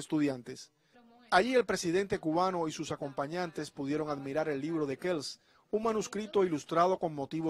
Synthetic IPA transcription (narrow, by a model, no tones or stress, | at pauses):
est̪uðjant̪e̞s | aʝie̞lpɾe̞siðe̞nt̪e̞kuβano̞isusako̞mpaɲãnt̪e̞spuðje̞ɾo̞ŋaðmiɾaɾe̞lːiβ̞ɾo̞ðe̞kels | uŋmanuskɾit̪o̞ilust̪ɾað̞o̞ko̞ŋmo̞t̪iβo